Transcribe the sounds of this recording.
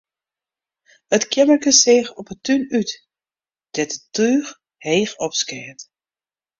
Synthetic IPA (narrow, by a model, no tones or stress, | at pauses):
ətkʰɪmərkəsexɔpətynyt | d̥ɛtətyːx | heːxɔpskɛːt